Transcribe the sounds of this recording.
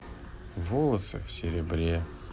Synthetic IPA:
volˠəsɨ̰fsʲɪɾʲɪbɾʲe

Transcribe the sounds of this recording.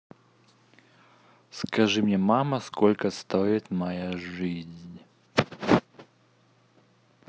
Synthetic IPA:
skaʐɨmnʲɛmamɐskɔlʲkɐst̪ɔɛt̪ʲmajaʐɨzʲnʲ

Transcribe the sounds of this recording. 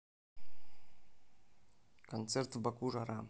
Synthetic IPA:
kont̪t͡sert̪bakuʐaɾa

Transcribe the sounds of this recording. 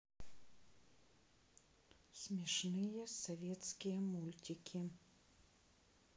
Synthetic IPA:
sʲmʲɛʂnɨjɛsɔvʲɛt̪skʲɪjɛmulʲtʲɪkʲʰɪ

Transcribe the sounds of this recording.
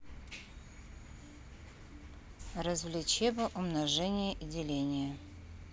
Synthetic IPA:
rəzvlʲɪt͡ɕebəʔʊmnɐʐɛnʲɪjəʔɪdʲɪlʲenʲɪjə

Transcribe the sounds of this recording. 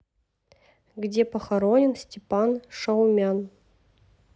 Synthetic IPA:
ɡdʲepɐxɐɾonʲɪnsʲtʲepɑnʂɐwmʲɑn

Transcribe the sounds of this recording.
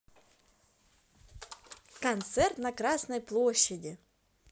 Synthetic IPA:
kɐnt̪sɛrt̪nɐkɾasnəjplˠoɕːɪdʲɪ

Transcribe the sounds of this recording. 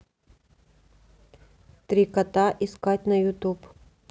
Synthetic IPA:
t̪ɾʲikɐt̪aʔɪskatʲnɐjʊt̪up

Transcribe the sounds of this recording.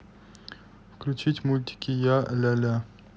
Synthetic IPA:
fklʲʉt͡ɕitʲmulʲt̪ʲɪ̥kʲɪjalʲalʲa

